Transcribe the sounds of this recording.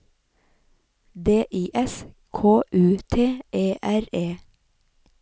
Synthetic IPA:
d̪eːʔiːʔɛs | kʰoːʔʉːt̪ʰeːʔeːʔæɾeː

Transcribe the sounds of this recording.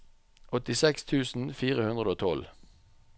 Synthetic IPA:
ʔɔt̪ɪsɛkst̪ʰʉːsn̩fiːʁəhʉnd̪ʁəd̪oːt̪ʰɔl

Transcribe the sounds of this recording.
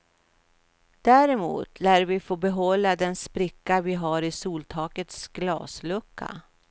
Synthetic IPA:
d̪̥æːɾɛmṵːt̪læːɾvɪfoːbɛɦɔlːad̪ɛnspɾɪkːavɪɦaɾɪsuːlt̪ʰɑːkət̪sɡ̥lɑ̰ːslɵkːa̰

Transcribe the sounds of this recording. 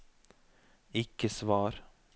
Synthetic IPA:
ɪkəsʋɑːɾ

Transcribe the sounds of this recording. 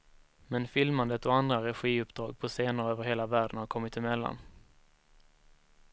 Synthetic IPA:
mɛnfɪlmand̪ət̪ɔand̪ɾaɾɛɧiːɵpd̪ɾɑːɡ̚pʰɔseːnəɾøːvəɾɦeːlavæːɖənhaɾkʰɔmːɪt̪ɪmɛlːa̰n

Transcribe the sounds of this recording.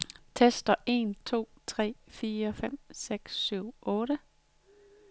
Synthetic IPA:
t͡sʰesd̥ɐʔe̝ːnt͡sʰo̝̰ːt͡sʰʁɛ̰ːfiːɐfem̰seɡ̥sːyʊ̰ʔɔ̽ːɾə

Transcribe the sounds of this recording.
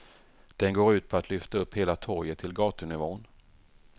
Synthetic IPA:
d̪̥ɛnɡoːɾʉ̟ːt̪̚pʰɔat̪lʏft̪aɵpːheːlat̪ʰɔɾjət̪ʰːɪlɡɑːt̪ənɪvoːn

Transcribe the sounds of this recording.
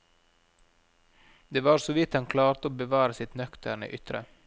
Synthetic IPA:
d̪eːʋɑːɾsɔʋɪt̪hɑŋkʰlɑːɾt̪əoːbəʋɑːɾəsɪt̪nœkt̪əɳə̰ːʔʏt̪ɾə̰

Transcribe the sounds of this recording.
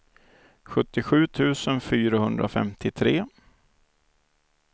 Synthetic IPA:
ɧɵt̪ːɪɧʉ̟ːt̪ʰʉ̟ːsənfyːɾahɵnd̪ɾʔa̰fɛ̰mt̪ʰɪt̪ʰɾeː

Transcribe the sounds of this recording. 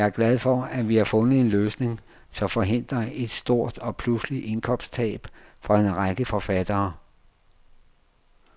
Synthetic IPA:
æɐɡ̥læð̞ˠfɒ̽æʋihɑ̈fɔ̽nð̩ˠe̝nløːsne̝ŋ | sɒ̽mfɒ̽ɦe̝n̰d̥ʁɐe̝d̥sd̥o̝ɐ̰d̥ɒ̽pʰlusliʔe̝nkʰɒ̽m̰st͡sʰɛ̰ːb̥fɒ̽e̝nʁaɡ̥əfɒ̽fæd̥ɐː

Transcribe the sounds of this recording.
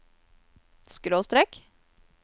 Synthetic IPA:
skɾoːst̪ɾɛk

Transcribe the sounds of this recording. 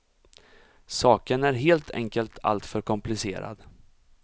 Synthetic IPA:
sɑːkənæɾɦeːlt̪ʰɛ̰ŋkəlt̪ʰa̰lt̪fœɾkʰɔmplɪseːɾa̰d̪

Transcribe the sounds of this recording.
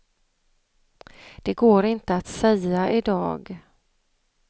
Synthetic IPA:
d̪̥ɛɡoːɾɪnt̪əat̪sɛjːaʔɪd̪ɑ̰ːɡ

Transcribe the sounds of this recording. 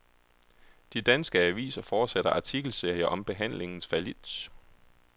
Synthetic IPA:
d̥id̥ænsɡ̥əæʋḭːsɐfɒːd̥seɾ̥ɐʔɑ̈t͡sʰiɡ̥l̩se̝ɐ̰jɐʔɒ̽mb̥e̝ɦæn̰le̝ŋn̩sfælid̥s

